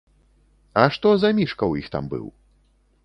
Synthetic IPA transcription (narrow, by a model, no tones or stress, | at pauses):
ɐʂt̪ɔzɐmʲiʂkɐwjixt̪a̰mbɨ̰w